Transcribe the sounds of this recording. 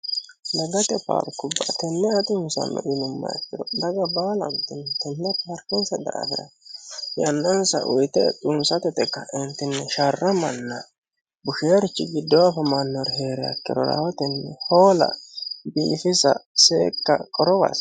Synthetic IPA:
lɐɡɐt̪ɛpa̰ːɾkʊbːɐt̪ɛnːɛɐt̪ʼɪnsɐ̰nːɔ̰ʔɪnʊmːɐ̰jɐ̰kːɪd̪ɔd̪ɐɡɐbaːlɐnt̪ɪnːɛt̪ɛnːɛpaɾkɪnsɐd̪aːfɪɾɐ̰jɐnːɐnsɐ̰ʔʊjt̪ɛt͡sʼʊnsɐt̪ɛt̪ɛkːɐɪnt̪ːɪnːɛʃarːɐmɐnːɐ | bʊʃeːɾɪt͡ʃːɪɡɪd̪ːɔwafɛmɐnːɔɾɛɦe̞ːɾɛjɐ̰kːɪɾɔɾa̰wɔt̪ɛnːɛho̞ːlɐ̰biːfɪsɐ̰seːkːɐkʼɔɾɔba̰s

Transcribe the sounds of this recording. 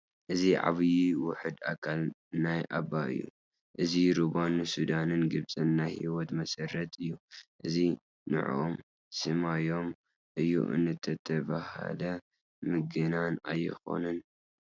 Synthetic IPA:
ʔɨziʕa̰βɨjiwʊħɨd̪a̰kʰalnajʔabaɨ̰jːṵ | ʔɨziɾuβanːɨsud̪anɨnɡɨβsʼɨnːahiwɔt̪mɐsɐɾːɐt̪ʰɨjːuʔɨzi | nɨ̰ʕom | sɨmajo̞m | ʔɨjːṵʔɨ̰nːɨt̪ʰɐt̪ʰɐβa̰ha̰lɐ | mɨɡɨnana̰jːɪ̰xo̞̰nɨn

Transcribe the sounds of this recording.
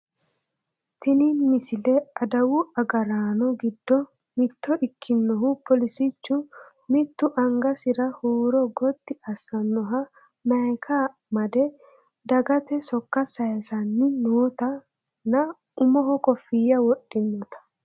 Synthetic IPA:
t̪ɪninmɪsɪlɛɐd̪ɐwʊɐɡɐɾaːnɔɡɪd̪ːɔ | mɪt̪ːɔʔɪkʰːɪnːɔɦʊpɔlɪsɪt͡ʃːʊ | mɪt̪ːʊʔɐŋɡɐsɪɾɐhuːɾɔɡɔt̪ːɪɐsːɐnːɔɦɐ | nɐjkʰa | mɐd̪ɛ | d̪ɐɡɐt̪ɛsɔkːɐsɐjɐsɐnːɪnoːt̪ɐ | nɐ | ʊmɔɦɔkʼɔfːɪjɐwɔɗːɪnːɔt̪ɐ̥

